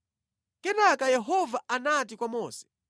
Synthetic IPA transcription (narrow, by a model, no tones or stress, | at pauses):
kɛtakajɛɦɔvaanat̬ikwamɔːsɛ̥